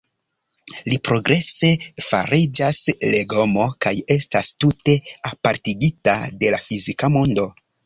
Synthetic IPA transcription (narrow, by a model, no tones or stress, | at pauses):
lipɾo̞ɡɾʔe̞se̞fa̰ɾid͡ʒasle̞ɡo̞mo̞kaje̞stastute̞apaɾtiɡita̰de̞lafizikamondo̞